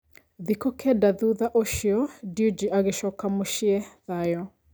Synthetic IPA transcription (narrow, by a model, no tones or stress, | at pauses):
ðikɔkʰɛdaðuðaʔoʃiɔdiud͡ʒiʔaɣeʃɔkamoʃiɛðajɔ